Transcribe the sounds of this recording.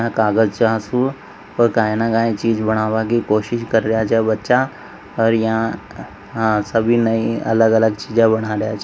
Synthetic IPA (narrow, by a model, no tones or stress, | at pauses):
ãkaːɡəd͡ʒt͡ʃaːɦsũ | pəɾkaːjnakãːĩt͡ʃiːd͡ʒbəɽ̃aːʋakikoːʃɪʃkəɾɾəjat͡ʃɛbətːʃa | ɔːɾjɦã | səbʱinəĩɐ̰ləɡələɡt͡ʃiːd͡ʒãbəɽ̃aːɾjat͡ʃː